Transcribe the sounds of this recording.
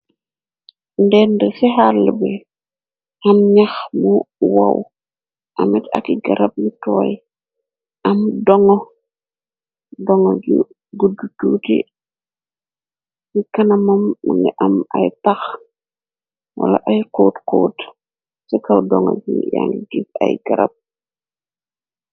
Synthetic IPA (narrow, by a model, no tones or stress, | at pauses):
ndɛndɛsɛɦalːbɛ | hamɲaxmuwaw | ʔamɛta̰kiɡaɾap̚jitɔːj | ʔamdɔŋɔ | dɔŋoɟu | ɡudututi | jikɐnɐmɐmːaŋɡiʔɐmajtax | wa̰la̰ʔajkoːtkoːt | sɛkawdɔŋɔ̰ɟijaŋɡiɡifa̰jɡ̥aɾa̰p̚